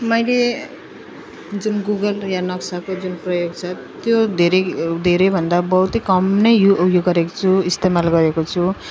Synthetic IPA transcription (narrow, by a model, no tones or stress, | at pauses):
mʌjle | d͡zunɡuɡʌljanʌksakod͡zunprʌjoɡt͡sʰʌ | t̪jod̪ʱeɾʌjd̪ʱeɾʌjbʱʌnd̪abʌɦwt̪ikʌmnʌjjuʔːbjoɡʌɾeko̥t͡sʰuist̪emalɡʌɾekot͡sʰu